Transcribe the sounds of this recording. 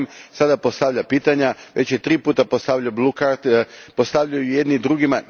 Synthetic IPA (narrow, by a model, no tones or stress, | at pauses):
msad̪apo̞st̪aʋʎapiːt̪aɲaʋe̞t͡ɕjet̪ɾiːpuːt̪apo̞st̪aʋʎaublˠukaɾt̪po̞st̪aʋʎajuje̞d̪nid̪ɾuɡima